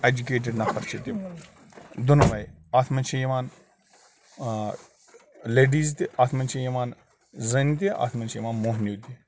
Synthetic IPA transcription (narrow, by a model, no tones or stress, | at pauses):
ed͡ʒukeːʈ̬eɖnɐpʰɐɾt͡ʃʰit̪i | d̪ʊnʋɐj | at̪ʰmɐnt͡ʃʰijiʋaːn | leːɖiːzt̪iʔat̪ʰmɐnʲt͡ʃʰijiʋaːn | zɐnt̪ia̰ːt̪ʰmɐnʲt͡ʃʰijʋaːnmoːɦnjut̪i